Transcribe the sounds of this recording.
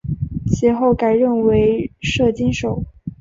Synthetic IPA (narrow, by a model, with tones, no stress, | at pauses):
ɕɛ˧˥xo˥˩ʊka˨˩ɪɻə˥˩nwe˧˥ɪʂɤ˥˩t͡ɕi˥nʂo˨˩˦ʊ